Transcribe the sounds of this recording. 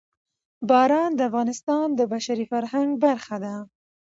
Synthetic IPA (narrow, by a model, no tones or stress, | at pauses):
bɑɾɑnd̪əafɣɑnɪst̪ɑnd̪əbaʃaɾifaɾɦaŋɡbaɾxad̪a